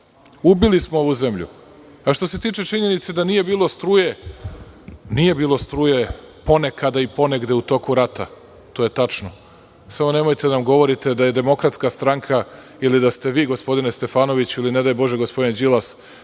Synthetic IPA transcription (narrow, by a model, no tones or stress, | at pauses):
ubilismoo̞ʋuzemʎṵ | aʃt̪o̞se̞t̪iːt͡ʃe̞t͡ʃiɲe̞nit̪se̞d̪anije̞biːlˠo̞st̪ɾuːje | nije̞biːlˠo̞st̪ɾuːje̞ | po̞ne̞kad̪aipo̞neɡd̪eut̪o̞kuɾat̪a | t̪o̞ːje̞t̪at͡ʃno̞ | samo̞ne̞mojt̪ed̪anamɡo̞ʋo̞ɾit̪e̞d̪aje̞d̪e̞mo̞kɾat̪skast̪ɾaŋkʰa | ilid̪ast̪e̞ʋiːɡo̞spo̞d̪inest̪e̞faːno̞ʋit͡ɕiline̞d̪ajbo̞ʒeɡo̞spo̞d̪ind͡ʑilˠas